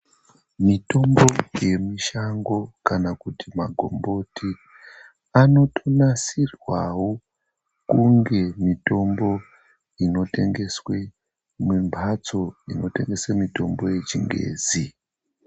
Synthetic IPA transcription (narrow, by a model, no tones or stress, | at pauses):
mito̞mbo̞je̞miʃaŋɡo̞kanakutimaɡʱo̞̰mbo̞tʰi | ano̞tʰonasirwawo̞ | kuŋɡe̞mito̞mbo̞ | ino̞te̞ŋɡe̞swe̞ | mumbʱat͡so̞ino̞te̞̰ŋɡe̞swemito̞mbo̞je̞t͡ʃiŋɡḛːzi